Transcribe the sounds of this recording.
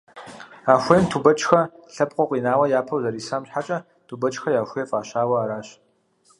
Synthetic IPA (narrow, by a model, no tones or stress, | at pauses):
aːxʷeːntʰuːbɐt͡ʃʼxɐɬɐpʼqʷʼɔqʷiːnaːwɐjaːpʰɐwzɐɾiːsaːmɕħat͡ʃʼɐ | tʰubɐt͡ʃʼxɐjaːxʷeːfʼaːɕaːwɐaːɾaːɕ